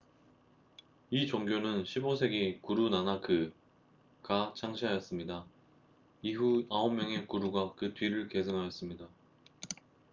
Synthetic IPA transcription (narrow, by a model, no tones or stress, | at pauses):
it͡ɕoŋɡjonɯnɕʰibosʰe̞ɡekuɾunanakʰɯ | kat͡ɕʰaŋɕʰiɦajʌs͈ɯmɲida | iɦuaomːjʌŋe̞kuɾuɡakɯtɥiɾɯɭke̞sʰɯŋɦajʌs͈ɯmɲida